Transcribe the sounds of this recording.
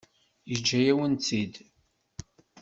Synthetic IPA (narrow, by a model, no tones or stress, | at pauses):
jəd͡ʒːæjæwənt͡sːid̪